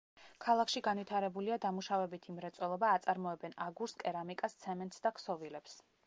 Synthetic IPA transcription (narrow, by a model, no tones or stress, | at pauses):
kʰalˠakʃiɡanvit̪ʰaɾɛbuliad̪amuʃavɛbit̪ʰimɾɛt̪sʼwɛlˠɔbaːt̪sʼaɾmɔɛbɛnaɡuɾskʼɛɾamikʼast̪sʰɛmɛnt̪ʰsd̪akʰsɔvilɛps